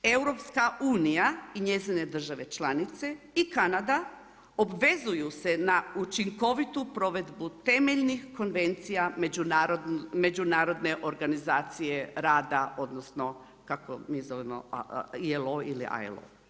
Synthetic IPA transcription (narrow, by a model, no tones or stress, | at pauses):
e̞wɾo̞pskauːnijaiɲe̞zine̞d̪r̩ʒaʋe̞t͡ʃlˠanit̪se̞ | ikanad̪a | o̞bʋe̞zujuse̞naut͡ʃiŋko̞ʋit̪upɾo̞ʋe̞d̪but̪e̞meʎnixko̞nʋe̞nt̪sijamed͡ʒunaɾod̪me̞d͡ʒunaːɾo̞d̪ne̞ʔo̞ɾɡanizaːt̪sijeɾaːd̪ao̞d̪nosno̞ | kako̰miːzo̞ʋemo̰ieloilḭʔa̰ḛlo̰